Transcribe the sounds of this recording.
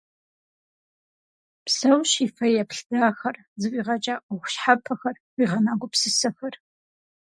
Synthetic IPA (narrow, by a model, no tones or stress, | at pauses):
psɐwɕifɐjɛpɬd̥aːxɐr | zɨwiːʁɐt͡ʃʼaːʔʊχʷɕħapʰɐxɐr | wiːʁɐnaːɡʷʊpsɨsɐxɐr